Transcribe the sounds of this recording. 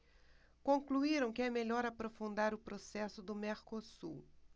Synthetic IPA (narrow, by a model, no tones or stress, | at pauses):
kõkluiɾɐ̃w̃kɪɛmeʎɔɾapɾofũnd̪aɾʊpɾosɛsʊd̪ʊmeɾkosṵ